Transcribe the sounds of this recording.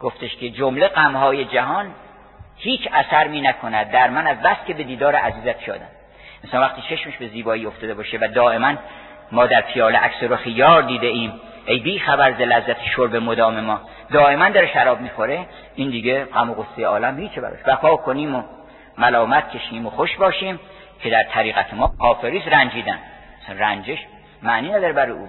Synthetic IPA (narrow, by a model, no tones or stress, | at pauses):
ɡ̥oft̪e̞ʃkʰe̞d͡ʒomle̞ɡæmhɒːje̞d͡ʒæɦɒːn | hiːt͡ʃʰæsæɾmiːnækʰo̞næd̪̚ːæɾmænæzbæskʰʲe̞be̞d̪iːd̪ɒːɾeʔæziːzæt̪̚ʰpʰijɒ̰ːd̪æm | ensɒːnvæχt̪iːt͡ʃʰe̞ʃmeʃbe̞ziːbɒːiːo̞ft̪ɒːd̪e̞bɒːʃevæd̪ɒːʔe̞mæn | mɒːd̪æɾpʰijɒːneʔæ̰ksoɾoxijɒːɾd̪iːd̪eiːm | e̞jbiːxæbæɾzelæzːæt̪ʰe̥ʃoɾbe̞mod̪ɒːme̞mɒː | d̪ɒːʔe̞mænd̪ɒːɾeʃæɾɒːb̚miːxo̞ɾe̞ | ind̪iːɡeɢæmoɣosːejeɒːlæmhiːt͡ʃʰebæ̰ɾɒ̰ːʃbæfɒːkʰoniːmo | mælɒːmæt̪̚cʰe̞ʃiːmoxoʃbɒːʃiːm | cʰe̞d̪æɾt̪ʰæɾiːɣæt̪ʰemɒːkʰɒːfe̞ɾiːsɾænd͡ʒiːd̪æn | æsænrænd͡ʒeʃ | mæniːnæd̪ɒːɾebæɾːjḛuː